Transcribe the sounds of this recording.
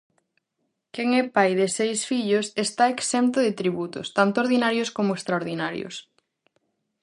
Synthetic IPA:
keŋɛpajðɪsejsfiʎʊsest̪aeksɛmt̪ʊðɪt̪ɾiβut̪ʊ̰st̪ant̪ooɾðinaɾjoskomoest̪ɾaoɾðinaɾjo̰s

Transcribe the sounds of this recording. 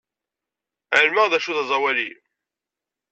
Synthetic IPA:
əlməʁðæʃuðɑzˤɑwælḭ

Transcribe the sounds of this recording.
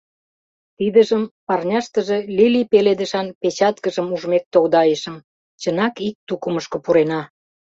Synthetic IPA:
t̪id̪əʒəmpɑrnʲɑʃt̪ə̆ʒelilipeled̪ə̆ʃɑnpet͡ɕɑt̪kəʒəmuʒmek̚t̪oɣd̪ɑjəʃə̆m | t͡ɕənɑkik̚t̪ukəməʃkŏpuɾenɑ

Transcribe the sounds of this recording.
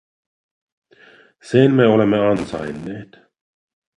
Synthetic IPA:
senmeolemːeɑnsɑ̰jnːeːt̪

